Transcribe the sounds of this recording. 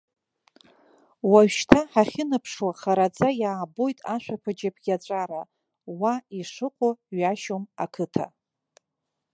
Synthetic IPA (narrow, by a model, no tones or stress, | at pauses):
waɥʃtʰaħaχʲɪnɨpʰʂwaχaɾad͡zʼajaːbojtʼaʃʷᶣapʰɨd͡ʒapʰʼɡʲat͡ɕʷʼaɾa | waiʂɨqʷʼoɥaʃomakʰɨtʰa̰